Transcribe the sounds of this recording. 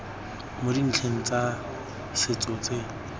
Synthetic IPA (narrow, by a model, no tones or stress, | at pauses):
modin̩t͡ɬʰeŋ̩t͡sa | sɪt͡sɔt͡se